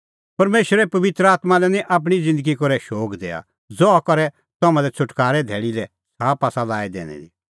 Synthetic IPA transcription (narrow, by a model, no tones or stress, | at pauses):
pɐɾmeːʃɾɛpɐʋɪt̪ɾəaːt̪malɛnĩʔaːp̬ɽ̃id͡zɪ̃nd̪əɡikɔɾɛʃoːkd̪eːa̰ | d͡zɔakɔɾɛ | t̪amãlɛt͡ʃʰʊʈkaːɾɛd̪ʱɛːɽilɛ | saːpaːsalaːid̪ḛːñɛ̰d̪i